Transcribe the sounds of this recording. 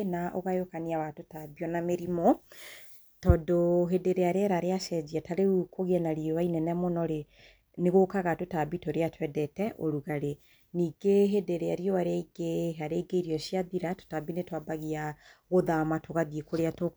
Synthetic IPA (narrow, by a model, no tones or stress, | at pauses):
naʔoɣajokaniawatotabiɔnameɾimɔ | tɔdoɦedeɾeaɾeɛɾaɾeaʃɛd͡ʑiataɾeukoɣiɛnaɾiowainɛnɛmɔnɔɾe | neɣokaɣatotabitoɾeatwɛdɛtɛʔoɾuɣaɾe | niːɡeɦedeɾeaɾiowaɾeaiɡeɦaɾeiɡeiɾiɔɕiaðiɾato̥tabinetwabaɣiaɣoðamatoɣaðiekoɾeato